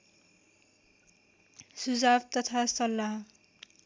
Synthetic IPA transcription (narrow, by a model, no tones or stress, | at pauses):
sud͡zabt̪ʌt̪ʰasʌlːaɦ